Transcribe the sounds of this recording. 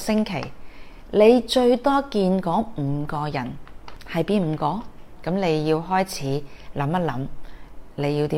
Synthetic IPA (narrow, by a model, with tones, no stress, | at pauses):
sɪ˥ŋkʰe˨˩j | le˨˧jt͡ʃɵ˧ɥt̪ɔː˥kiː˧nkɔː˨˥ŋm̩ː˨˧kɔː˧jɐ˨˩nhɐ˨jpiː˥nm̩ː˨˧kɔː˧˥kɐ˨˥mne˨˧jːiː˧wɦɔː˥jt͡sʰiː˨˥lɐ˨˥mɐ˥t̚lɐ˨˥m | le˨˧jiː˧wt̪iː˨˦